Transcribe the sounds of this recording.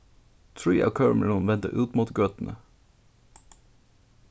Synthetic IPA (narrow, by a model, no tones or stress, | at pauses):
t̪ʰɹiːʔɑ̰ːkʰœːɹmələnʋɛnt̪ə̰ʔʉːt̪muːt̪ɡøːt̪n̩ʔə